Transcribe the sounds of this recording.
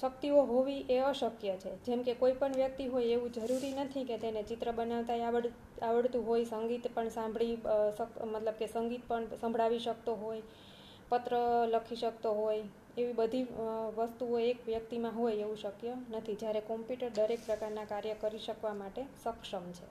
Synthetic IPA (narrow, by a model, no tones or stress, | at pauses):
ʃək̚t̪ioɦoʋiʔeəʃəkjət͡ʃʰed͡ʒemkekoipəɳʋjək̚t̪iɦojeʋũd͡ʒəɾuɾinət̪ʰiket̪enet͡ʃit̪ɾəbənaʋt̪ajaʋəɽ | aʋəɽt̪ũɦojsəŋɡit̪pəɳsãmbʱɭisəkmət̪ləb̚kesəŋɡit̪̚pəɳsə̃mbʱɭaʋiʃək̚t̪oɦoj | pət̪ɾələkʰiʃək̚t̪oɦoj | eʋibəd̪ʱiʋəst̪uoekʋjək̚t̪imãɦojeʋũʃəkjənət̪ʰid͡ʒjaɾekɔmpjuʈəɾd̪əɾek̚pɾəkaɾnakaɾjəkəɾiʃəkʋamaʈesəkʃəmt͡ʃʰe